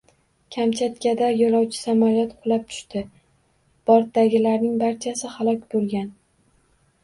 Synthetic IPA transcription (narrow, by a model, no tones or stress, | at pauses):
kʲʰamt͡ʃʰat̪kʲad̪ajɒlˠɒwt͡ʃʰɪ̥samɒɾjɒt̪qʰʊlˠap̚t̪ʰʊ̥ʃt̪ɪ | b̥ɒɾt̪̚daɡʲɪlaɾnɪŋbaɾt͡ʃʰasɪhalˠɒkʲbolˠɡʲan